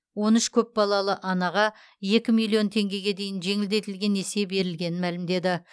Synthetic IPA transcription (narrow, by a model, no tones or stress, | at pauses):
wo̞nʏʃkʲʰɵp̚bɑlˠɑlˠəʔɑnɑʁɑ | je̞kʲɪmilˠijo̞nt̪ʰe̞ŋɡʲe̞ɡʲe̞d̪e̞jɪnʒe̞ŋɪld̪e̞t̪ɪlɡʲe̞ne̞se̞be̞ɾɪlɡʲe̞nɪnmælɪmd̪e̞d̪ɪ